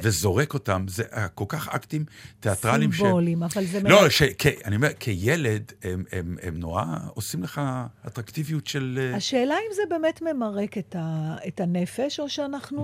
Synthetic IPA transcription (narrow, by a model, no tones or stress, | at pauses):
vezo̞ʁeko̞tamzeʔko̞lkaχa̰ktimteatʁalimʃbolimavalzemloʃekʰeaniomeʁkʰejeledememḛmnoa̰osimleχaatʁaktivijutʃeleaʃeːlaimzebe̞ːmetme̞maʁeketaetanefe̞ʃo̞ʃeanaχnu